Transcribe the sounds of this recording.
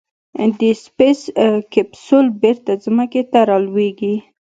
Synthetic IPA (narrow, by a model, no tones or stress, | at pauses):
d̪əspeskepsolbeɾt̪azmaket̪aɾɑlweɡi